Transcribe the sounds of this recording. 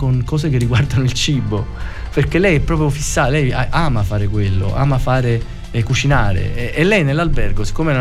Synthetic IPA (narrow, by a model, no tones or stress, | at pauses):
koŋkɔːsekerːiɡward̪anoilt͡ʃiːboperkːelɛjɛpːɾɔːp̬ɾjofisːalɛjaʔaːmafaːɾekwelːo̰a̰ːmafaːɾe | ɛkut͡ʃinaːɾḛːlːɛjnelːalbɛrɡosi̥kːomeɾa